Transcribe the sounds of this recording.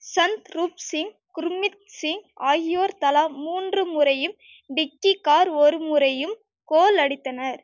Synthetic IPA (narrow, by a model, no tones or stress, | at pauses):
sɐnt̪ɾuːpsɪŋɡ | kʊɾmɪt̪̚sɪŋɡaːɣɪjoːɾt̪ɐlaːmuːndrɯmʊɾɐjɯm | bɪk̚ʈːikaːɾɔɾɯmʊɾɐjɯm | koːlɐɽɪt̪ːɐnɐɾ